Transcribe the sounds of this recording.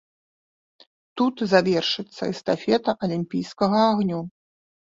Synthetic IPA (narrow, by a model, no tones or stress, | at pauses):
t̪ut̪zavʲɛrʂɨt̪sːɐ̰ist̪afʲɛt̪ɐʔɐlʲimʲpʲijskɐɣɐaɣnʲu